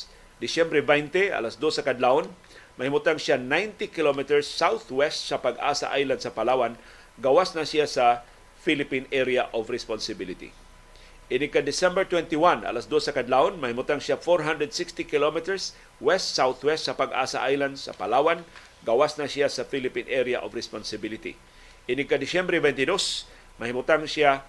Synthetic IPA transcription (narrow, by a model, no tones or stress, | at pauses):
d̪ɪsɛmbɾɛvajnt̪ɛʔɐ̰lasd̪osɐkɐd̪laon | mɐhɪmʊt̪aŋʃanajnt̪ikɪlomɪt̪ɛɹsːawθwɛst̪sɐpɐɡʔa̰ːsa̰ʔajland̪sɐpɐlaːwan | ɡɐwasnasɪjasɐ | filɪpinɛɾijaʔovɾɛsponsɪbilɪt̪ḭ | ʔɪnɪɡ̚kːad̪ɪsɛmbɛɹt̪wɛnt̪ɪwanʔɐ̰lasd̪osːɐkɐd̪laʔonmɐhɪmʊt̪aŋsɪafoɾɦand̪ɾɛd̪sɪkst̪ikɪlomɪt̪ɛɹs | wɛst̪sawθwɛst̪̚sɐpɐɡʔa̰ːsa̰ʔajland̪sɐ̰pɐlaːwan | ɡawasnasɪjasɐfilɪpinʔɛɾjaʔovɾɛspɔnsɪbilɪt̪ḭ | ʔɪnɪɡ̚kad̪ɪsɛmbɾɛbɛnt̪ɪd̪os | mɐhɪmʊt̪aŋsja